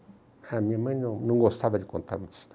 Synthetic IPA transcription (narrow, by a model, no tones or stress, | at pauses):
amĩɲamɐ̃j̃nɐ̃w̃nɐ̃w̃ɡost̪avɐd̪ɪkõnt̪ʰa̰ɾmũ̥t̪